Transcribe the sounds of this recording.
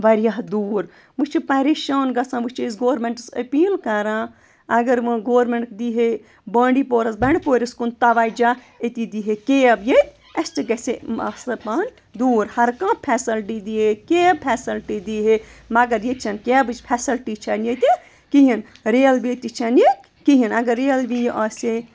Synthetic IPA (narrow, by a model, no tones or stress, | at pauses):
ʋɐɾjaɦd̪uːɾ | mɨʃt͡ʃʰipɐɾeʃɐːnɡɐsãːmɨt͡ʃiisɡoːɾmeɳʈsɐpiːlkɐɾãː | ɐɡɐɾmɨɡoːɾmeɳʈkd̪iːɦe | bɐːɳɖipoːɾɐsbɐɳɖpoːɾʲɐskunt̪ɐʋaːd͡ʒaː | et̪id̪iɦekeɐbjet̪̚ʲ | ɐst̪iɡɐsemɐ̰sɐpan | d̪uːɾhɐɾkãpʰɛːsɐlʈid̪iɦekeɐb̚pʰɛːsɐlʈid̪iɦemɐɡɐɾjet͡ʃʰɐnkeɐbɨt͡ʃpʰɛsɐlʈit͡ʃʰɐnjet̪e | kiɦin | ɾeːlbit̪it͡ʃʰɐnje | kiɦinɐɡɐɾːelbijiʔɐːsʲe